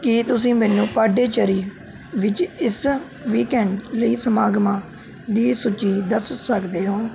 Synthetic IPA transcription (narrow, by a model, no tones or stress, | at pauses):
kiːt̪ʊs̬ĩːmɛːnũːpaːɖeːt͡ʃəɾiː | ʋɪt͡ʃɪs | ʋiːkɛːɳɖləiːsəmaːɡmãː | d̪iːsʊt͡ʃiːd̪əssəkd̪eːɦoː